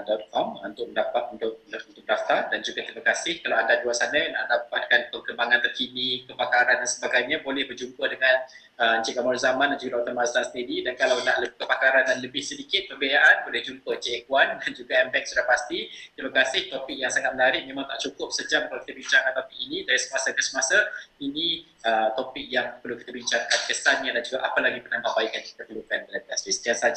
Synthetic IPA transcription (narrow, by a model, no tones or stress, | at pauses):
dɔt̪̚kʰɔmṵnt̪ʊk̚məndapat̪unt̪ʊk̚unt̪ʊk̚daft̪ardand͡ʒuɡat̪ɾimakasɪhkalawandaduaʔsanəna̰ʔdapat̪̚kanpəŋkəmbaŋãnt̪ərkinikəpakaɾandansəbaɡajɲãbolɛhbərd͡ʒumpədəŋan | ət͡ʃikamɔrzamãndand͡ʒuɡadaut̪əmast̪asəniɾidankalawnaʔləbkəpakaɾandanləbɪhsədikɪt̪̚pərbejaʔanbolɛhd͡ʒumpət͡ʃiʔɛkwandand͡ʒuɡaɛmbɛk̚sudahpast̪it̪ɾimakasɪht̪ɔpɪk̚jaŋsaŋat̪məlaɾɪʔ̚mẽmãŋt̪a̰ʔt͡ʃukʊp̚səd͡ʒamkalawkit̪abiɲt͡ʃaŋət̪apiːnĩdaɾisə̥masakəsəmasainĩ | ət̪ɔpɪk̚jaŋpərluki̥t̪əbiɲt͡ʃaŋkankəsanɲadand͡ʒuɡaʔapəlaɡipərnaŋpaʔ̚baɪkjaŋki̥t̪əpəlukandalanasbisə̥t̪iasad͡ʒ